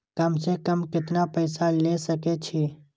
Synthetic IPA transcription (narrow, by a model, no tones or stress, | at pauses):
kɐmsekəmkɪt̪napɐɪsalesəket͡ʃʰiː